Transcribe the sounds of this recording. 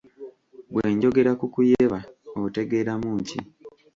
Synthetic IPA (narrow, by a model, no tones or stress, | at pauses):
ɡwe̞ːɲɟo̞ɡe̞ɾakukujeβaote̞ɡe̞ːɾamuːɲcḭ